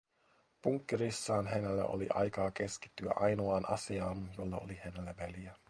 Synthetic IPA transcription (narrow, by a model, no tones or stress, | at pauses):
puŋkːirisːɑːnɦenælːæ̰ʔo̰lḭʔɑ̰jkɑːkeski̥t̪ːyæ̰ʔɑjnoɑːnʔɑsiɑːmjolːɑolihenelːæʋeljæ